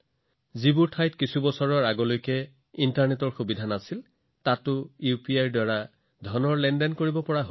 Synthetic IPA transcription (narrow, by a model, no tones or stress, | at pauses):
zibuɹtʰajtkisubɔsɔɹɔɹaɡɔlojkɛ | intaɹnetɔɹxubidʱanasil | tatʊjupiajɹdwaɹa | dʱɔnɔɹlɛndɛnkoɹibɔpɔɹaɦo